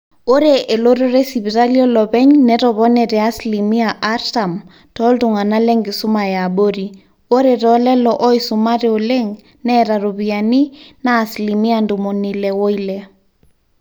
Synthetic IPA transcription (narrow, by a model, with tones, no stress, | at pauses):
o˦ɾeʔe˨lo˦ɾo˦ɾe˦si˨βi˨ɾa˦ljɔ˦lɔ˨bɛ˦ɲnɛtɔβɔ˦nɛtɛ˨a˦slimi˦aʔa˦ɾta˨m | tɔ˦ltu˨ŋa˨na˦lɛ˦ŋɡi˨su˦ma˨ja˨ɓo˦ɾi˨ | o˦ɾeɾɔlɛ˦lɔʔɔ˦isuma˦ɾe˦o˨lɛ˦ŋ | nɛɾa˨ɾo˨βiani˦naː˦slimi˦andu˨mo˨nilɛwo˦ilɛ